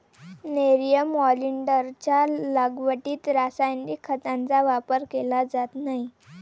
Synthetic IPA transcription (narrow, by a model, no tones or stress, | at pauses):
neɾijəmɔliɳʈəɾt͡ɕjalaɡʋəʈiːt̪ɾasajnd̪ikʰːət̪ãnt͡saʋapəɾkelad͡zat̪naɦi